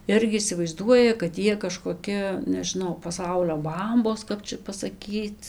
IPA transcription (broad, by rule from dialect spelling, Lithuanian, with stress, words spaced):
ˈɪrʲɡʲɪ ɪsʲɪʋɐɪzˈduɔjɛ kɐt ˈjiɛ kɐʃkoːˈkʲɪ nʲɛʒʲɪˈnɐʊ pɐˈsɐʊlʲoː ˈbɐmboːs ˈkɐp t͡ʃʲɛ pɐsɐˈkʲiːt͡s